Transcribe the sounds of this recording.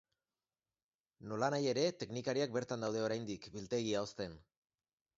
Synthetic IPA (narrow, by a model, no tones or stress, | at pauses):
no̞lanaje̞ɾe̞t̪e̞knikaɾiak̚be̞ɾt̪and̪awðe̞o̞ɾajnd̪ikbilt̪e̞ɣ̞iao̞st̪e̞n